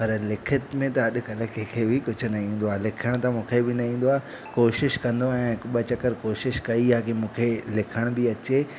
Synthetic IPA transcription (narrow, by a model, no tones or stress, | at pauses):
pɐɾlɪkʰɪt̪mẽt̪ɐɐɗʊ̆kɐlə̆kʰekʰeːbɪkʊd͡ʑʱʊ̆nɐĩːn̆d̪oaːɦlɪkʰəɽ̃t̪ãmũːkʰebɪnɐĩːn̆d̪oaːɦ | koːʃɪʃkɐ̃nd̪oɛ̃ːɓɐt͡ɕɐkəɾkoːʃɪʃkɐiaːkimũːkʰelɪkʰəɽ̃bɪɐt͡ɕeː